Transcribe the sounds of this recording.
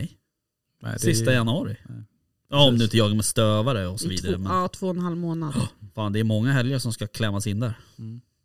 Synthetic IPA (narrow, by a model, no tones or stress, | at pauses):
ɛj̰ | sɪstt̪ajanɵɑɾɪ | ɑɔmd̪ɵɪnt̪əjɑːɡaɾmɛst̪øːvaɾəɔsɔviːd̪aɾɾəmɛnt̪ʰvoːɛnhalmoːnad̪faːnd̪ɛːɾmɔŋːaɦɛljaɾʂɔmskakʰlɛmːasɪnd̪æɾ